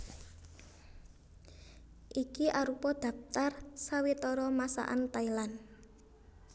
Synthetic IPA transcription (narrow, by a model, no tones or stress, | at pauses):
ʔikiʔaɾupɔd̪̥ä̤pt̪arsawit̪ɔɾɔmasa̰ʔant̪ailan